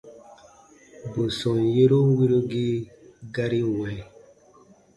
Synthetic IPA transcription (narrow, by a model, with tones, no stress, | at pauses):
bo˨sɔ̃˨nje˦ɾo˦wi˦ɾo˦ɡe˦ɡa˦ɾi˦wɛ̃˨